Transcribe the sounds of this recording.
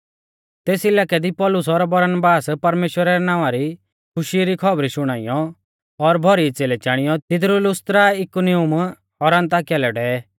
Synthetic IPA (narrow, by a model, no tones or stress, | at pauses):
t̪eːsɪlaːkɛd̪ipɔlʊsɔɾbɐɾənbaːspɐɾmeːʃwəɾaɾɛnãːʋaɾi | kʰʊʃiɾikʰɔbɾiʃʊɽ̃aːḭjɔ | ɔɾbʱɔɾit͡seːlɛt͡ʃaːɽ̃ijɔt̪ɪd̪ɾulʊst̪ɾaɪkuniʊm | ɔɾãnt̪aːkɛlɛɖɛ